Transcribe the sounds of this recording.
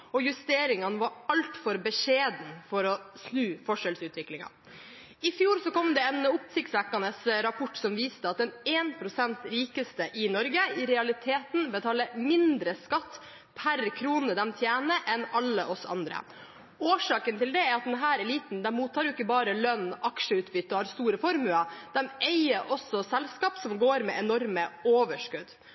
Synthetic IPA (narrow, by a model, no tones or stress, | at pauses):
ɔjʉst̪eːɾɪŋɑnəʋɑɾɑlt̪fɔɾbəʂeːd̪n̩fɔɾɔsnʉːfɔʂɛlsʉːt̪ʋɪklɪŋɑ̰ | ɪfjuːɾsɔkɔmd̪ɛɛnʊpsɪkt̪sʋɛkːɑnəsɾɑpʰɔʈːsɔmʋiːst̪əɑt̪̚d̪ɛneːnpʰɾʊsɛnt̪ɾiːkəst̪əʔɪnɔɾɡəɪɾɛɑlɪt̪ʰeːt̪n̩bət̪ʰɑːləmɪnd̪ɾəskɑt̪ː | pʰæɾkʰɾuːnəd̪ɛmt̪ʰjæːnəʔɛnɑlːəʔɔsɑ̰nd̪ɾə̰ | oːʂɑːkənt̪ɪld̪ɛæɾɑt̪̚d̪ɛnɦæːɾɛliːt̪n̩d̪æɾmuːt̪ʰːɑːɾjʊɪkːəbɑːɾəlœnːʔɑkʂəʉːt̪bʏt̪ːɔhɑɾst̪uːɾəfɔɾmʉlɑd̪̥ɛmɛɪəɾʔɔsɔsɛlskɑːpsɔmɡoːɾmɛ̰ɛnɔɾməoːʋəʂkʉd̪